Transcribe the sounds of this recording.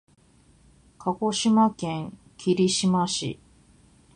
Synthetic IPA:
kʰako̞ɕimakẽ̞ŋ | kʲʰiɾʲiɕimaɕḭ

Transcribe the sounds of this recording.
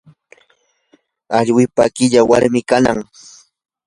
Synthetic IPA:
aʎwɪpakɪʎawaɾmɪkana̰ŋ

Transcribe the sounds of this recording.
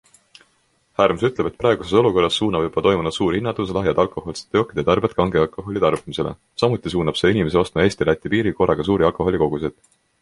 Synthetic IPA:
hæːrmsyt̪le̞bet̪̚pɾɑˑe̞ɡ̥useso̞luko̞rːɑsːuːnɑb̥jub̥ɑt̪o̞jmunud̪suːrhinːɑt̪ːuslɑɦjɑd̪̥ɑlko̞ho̞lse̥t̪ːˑo̞kːˑid̪̥jɑt̪ɑrbjɑt̪kɑŋɡeɑlkˑo̞ɦo̞lʲit̪ɑrb̥imise̞lḛ | sɑmut̪ːˑis̬uːnɑb̥se̞ːinime̞s̬eo̞st̪mɑe̞ːsʲt̪ilæt̪ʲːˑipiːɾiko̞ɾɑɡ̥ɑs̬uːɾiɑlkˑo̞ho̞lʲiko̞ɡ̥usid̪̥

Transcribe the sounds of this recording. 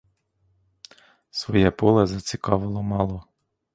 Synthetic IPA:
sʋɔjɛpɔlˠɛzɐt͡sʲikɑʋɪlˠɔmɑlˠɔ

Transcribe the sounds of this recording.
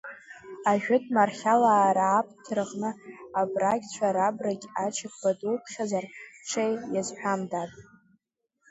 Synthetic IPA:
aʒᶣʊtʰʼmarχʲalaːɾaːpʰʼtʰrʁnɨabrakʲt͡ɕʷʰaɾabraɡʲʼat͡ʃʰɪkʰʼb̥adulpʰχʲazarʈ͡ʂʷʰejjazħʷᶣamdatʼ

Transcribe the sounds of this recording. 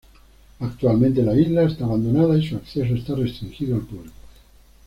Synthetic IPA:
akt̪ualmẽnt̪elaizlaest̪aːβand̪onaðaisuakθes̬oest̪arest̪ɾiŋxiðoalpuβliko̥

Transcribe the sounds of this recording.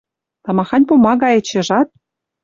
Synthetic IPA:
t̪ɑmɑxɑnʲpomɑɣɑjĕt͡ɕĕʒɑt̪̚

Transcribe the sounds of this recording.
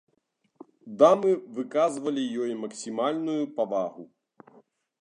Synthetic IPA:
d̪amɨvɨkazvɐlʲijɔjmɐksʲimalʲnujupavaɣu

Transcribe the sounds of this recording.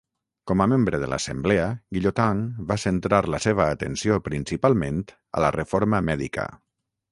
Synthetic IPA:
kɔməmembɾəðələ̰səmblɛəɡiʎot̪aŋbasənt̪ɾaɾləseβ̞əːt̪ənsiopɾinsipalˠment̪ | ə̰lərʔəfoɾməmɛðḭkə̰

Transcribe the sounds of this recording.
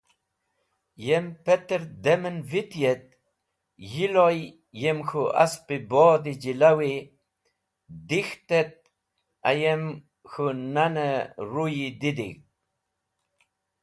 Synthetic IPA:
jempet̪əɾd̪emənvit̪jet̪̚ | jiloj | jemxua̰spiboːd̪id͡ʑilawi | d̪ixt̪et̪̚ | a̰jem | xunanəɾujid̪id̪ḭk

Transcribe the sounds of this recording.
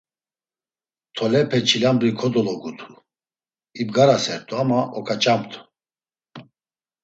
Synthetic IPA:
t̪ʰɔlɛpʰɛt͡ʃʰilambɾikʰɔd̪ɔlɔɡut̪ʰu̥ | ibɡaɾasɛɾt̪ʼuamaʔɔkʰʼat͡ʃʼamt̪ʰu̥

